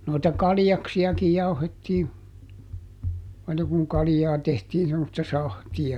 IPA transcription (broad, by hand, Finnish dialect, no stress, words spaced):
noitɑ kɑljɑksiɑkij jɑuhetːiː ɑinɑ kuŋ kɑlĭjɑː tehtiːn semːostɑ sɑhtiɑ